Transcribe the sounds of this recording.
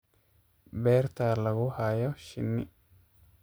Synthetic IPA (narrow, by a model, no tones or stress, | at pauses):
bɛːrt̪ʰalɐɣʊhaːjɔʃɪ̰nːɪ